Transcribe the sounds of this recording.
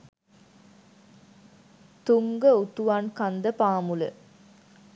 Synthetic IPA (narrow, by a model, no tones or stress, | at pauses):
t̪uŋɡəut̪uʋankand̪əpaːmulə̰